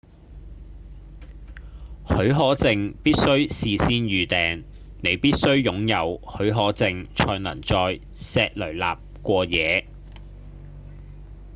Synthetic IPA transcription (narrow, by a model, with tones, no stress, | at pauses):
hɵ˨˥ɥɦɔː˨˥t͡sɪ˧ŋpiː˥t̚sɵ˥ɥsiː˨˧siː˥njyː˨˧t̪ɛː˨ŋ | ne˨˧jpiː˥t̚sɵ˥ɥjʊ˨˥ŋjɐ˨˧whɵ˨˥ɥɦɔː˨˥t͡sɪ˨˧ŋt͡ʃʰɔː˧nɐ̰˨˩ŋt͡sɔː˧j | sɛː˧k̚lɵ˨˩ɥla̰ː˨p̚kʷɔː˧jɛː˨˧